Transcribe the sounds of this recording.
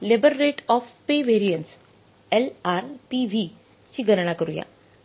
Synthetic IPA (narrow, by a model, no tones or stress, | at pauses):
lebəɾːeʈɔfpeʋeɾijənʈs | elaɾʈiʋi | t͡ɕiːɡʱəɾɳakəɾuja̰